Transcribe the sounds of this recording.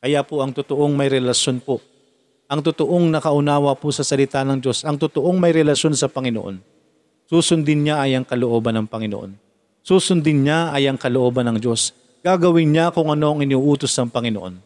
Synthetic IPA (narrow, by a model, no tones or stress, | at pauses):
kɐjapʊʔɐŋt̪ʊt̪oʔoŋmɐjɾɛlɐʃjo̞npo | ʔɐŋt̪ʊt̪oʔo̞ŋnɐkɐʔʊnaːwɐpʊsɐsɐlɪt̪anɐŋd͡ʒo̞sʔɐŋt̪ʊt̪oʔoŋmɐjɾɛlɐʃo̞nsɐpɐŋɪnoʔo̰n | suːsʊnd̪ɪnɲaʔɐjɐŋkɐloʔo̞ːbɐnɐŋpɐŋɪnoʔo̰n | susʊnd̪ɪnɲaɐjɐŋkɐloʔo̞ːbɐnɐŋd͡ʒo̞s | ɡ̥aɡɐwɪnɲakʊŋɐno̞ʔɐŋɪnuʔuːt̪osnɐŋpɐŋɪnoʔo̞̰n